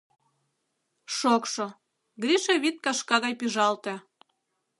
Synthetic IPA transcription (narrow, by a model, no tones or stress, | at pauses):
ʃokʃŏ | ɡɾiʃeβit̪̚kɑʃkɑɣɑjpiʒɑlt̪ĕ